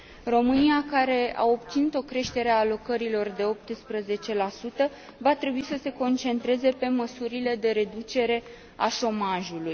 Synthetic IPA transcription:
ro̞mɨnijakaɾe̞a̰o̞pt̪sinut̪o̞kɾe̞ʃt̪e̞ɾeaːlo̞kəɾilo̞rd̪e̞o̞p̚t̪spɾəze̞t͡ʃe̞lasut̪ə | vat̪ɾe̞buisəse̞ko̞nt͡ʃe̞nt̪ɾe̞ze̞pe̞məsuɾile̞d̪e̞ɾe̞d̪ut͡ʃe̞ɾe̞ | aʃo̞maʒuluj

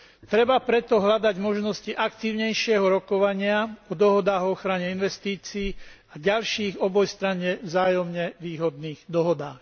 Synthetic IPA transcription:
t̪ɾɛbapɾɛt̪ɔɦʎad̪aɟmɔʒnɔsciʔakt̪iːʊɲɛjʃɪɛɦɔɾɔkɔʋaɲɪaɔd̪ɔɦɔd̪aːɣɔxɾaɲɛinʋɛst̪iːt͡siː | aɟalʃiːɣɔbɔjst̪ɾaɲɛvzaːjɔmɲɛʋiːɦɔd̪niːɣd̪ɔɦɔd̪aːx

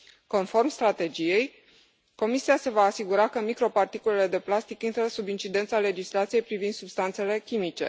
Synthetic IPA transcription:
ko̞nfo̞rmst̪ɾat̪e̞d͡ʒije̞j | ko̞misiase̞vaːsiɡuɾakəmikɾo̞part̪ikule̞le̞d̪e̞plast̪ikint̪ɾəsubint͡ʃid̪e̞nt̪sale̞d͡ʒislat̪sijejpɾivind̪subst̪ant̪se̞le̞kʲimit͡ʃe̞̰

